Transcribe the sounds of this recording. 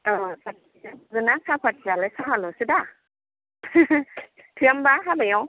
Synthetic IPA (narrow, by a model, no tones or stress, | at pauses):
ɯsat̚azɯnasʰapʰat̚zalasɔɦalɔsɯda | tʰɯambaɦabajɔ